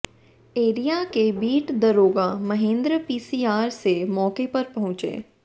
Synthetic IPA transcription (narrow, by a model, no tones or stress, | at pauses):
eːɾijakebiːʈd̪ɐɾoːɡamɐɦẽːnd̪ɾəpiːsiːaːɾsemɔːkepɐɾpɐɦʊ̃t͡ʃḛː